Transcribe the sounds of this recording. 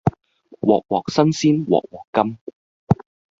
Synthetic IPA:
wɔː˨k̚wɔː˨k̚sɐ˥nsiː˥nwɔ̰ː˨k̚wɔː˨˩kːɐ˥m

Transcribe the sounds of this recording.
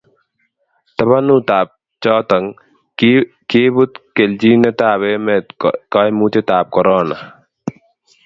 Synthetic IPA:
t̪ɐβa˦nut̪aː˨p̚ | t͡ʃɔː˦t̪a˨ŋ | keː˦bu˦t̪ke˨ld͡ʒi˦nɛ˦t̪aː˨βe˦mɛ˨t̪ka˦jmu˦t͡ʃe˦t̪aː˨p̚kɔ˨ɾɔː˦na

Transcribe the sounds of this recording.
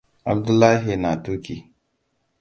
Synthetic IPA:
a̰˨b̚du˦lːa˦ɦe˨na˨tu˦ki˨

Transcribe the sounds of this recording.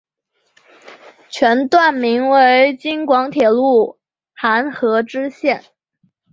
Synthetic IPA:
t͡ɕʰɥɛ˧˥nt̪wa˥˩nmi˧˥ŋwe˧˥ɪt͡ɕi˥ŋkwɑ˧˥ŋt̪ʰjɛ˨˩lu˥˩ | xa˧˥nxɤ˧˥ʈ͡ʂɻ̩˥ɕjɛ˥˩n

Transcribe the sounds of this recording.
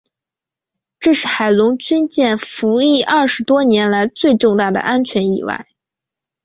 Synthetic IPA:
ʈ͡ʂɤ˥˧ʂɻ̩˥˩xa˨˩ɪlʊ˧˥ŋt͡ɕy˥nt͡ɕjɛ˥˩nfu˧˥i˥˩ʔɐ˥˩ʂɻ̩˧˥t̪wɔ˥njɛ˧˥nla˧˥ɪt͡swe˥˧ɪʈ͡ʂʊ˥˧ŋt̪a˥˩d̪ə̰˩ʔa˥nt͡ɕʰɥɛ˧˥nḭ˨˩wa̰˥˩ɪ

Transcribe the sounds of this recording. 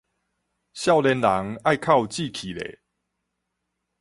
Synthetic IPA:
ɕja˥˧wlɛ˧nla˨˦ŋa˥˧jkʰa˥˧wt͡ɕi˥˨kʰi˨˩lḛ˨

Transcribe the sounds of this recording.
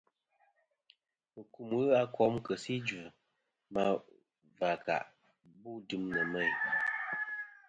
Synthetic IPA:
ɨ˨ku˨mɨ˦a˦kɔ˦mkə˨si˦d͡ʒʉ˨ | ma˦ | va˨ka̰˨ʔ | bu˦˨dɨ˨˦mnə˨mə˦˨j

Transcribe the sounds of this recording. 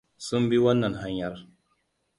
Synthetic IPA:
su˦mbi˦wa˦nːa˨nɦa˦ɲja˦ɾ

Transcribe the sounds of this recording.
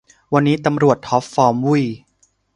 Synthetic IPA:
wa˧nːiː˦˥t̪a˧mɾu˨˩ət̪ʰːɔ˦˥p̚fːɔː˧mwu˥˩j

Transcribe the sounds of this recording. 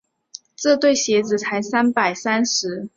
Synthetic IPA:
t͡sɹ̩˥˧t̪we˥˩ɪɕjɛ˧˥t͡sɹ̩˨˩t͡sʰa˧˥ɪsa˥npa˨˩ɪsa˥nʂɻ̩˧˥

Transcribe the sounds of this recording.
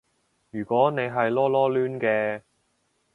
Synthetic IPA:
jyː˨˩kʷɔː˨˥ne˨˧jɦɐ˨jlɔː˥lɔː˥lyː˥nkɛː˧

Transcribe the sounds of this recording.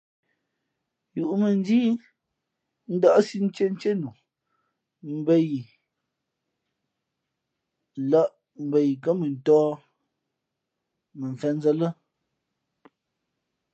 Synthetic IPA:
ju˨ʔu˨mə˨n˦d͡ʒiː˦ | n̩˦da˦ʔsi˦n̩˦t͡ʃe˦n̩˦t͡ʃe˦nu˨ | m̩˦bə˦ji˨ | la˦ʔ | m̩˨bə˨ji˨kə˦mə˨n̩˨tɔː˦ | mə˨ɱ˨fɛ˦n˦zə˦lə˦

